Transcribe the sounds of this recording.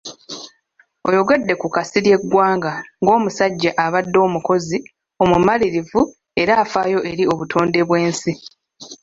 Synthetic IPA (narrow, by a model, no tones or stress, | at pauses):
o̞̰jo̞ɡedːe̞kukasiɾje̞ɡwaːŋɡaŋɡo̞ːmusaɟːaʔaβadːo̞ːmuko̞zi | o̞mumaliɾivu | e̞ɾaːfaːjo̞ʔe̞ɾio̞βutʰo̞ːnde̞βwe̞ːnsi